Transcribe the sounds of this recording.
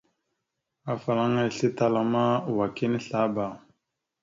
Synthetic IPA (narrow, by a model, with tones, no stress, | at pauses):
a˨fa˨la˦ŋa˦i˨ɬi˦ta˨la˦ma˦˨wa˨ki˦ni˦ɬa˦ba˨